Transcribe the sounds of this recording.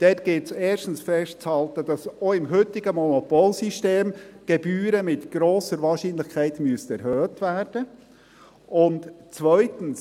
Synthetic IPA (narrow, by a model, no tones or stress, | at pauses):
d̪̥ɛtɡ̥ɪtsɛːʃtn̩sfɛʃt̚t͡shɑlt̪ədɑsoɪmɦʏt̪ɪɡ̥əmɔnɔpoːlsiʃteːmɡ̥ɛbyːɾəmɪt̪ɡ̥ɾoːsəɾvɑːʃinlɪχkʰɛɪtmyəsɛɾhøːtʋæːrd̥ə | ʊntt͡sʋœʏtən̩s